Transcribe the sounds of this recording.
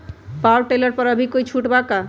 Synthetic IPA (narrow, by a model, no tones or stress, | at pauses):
pawʈeləɾpəɾəbʱikoit͡ʃʰuʈbaka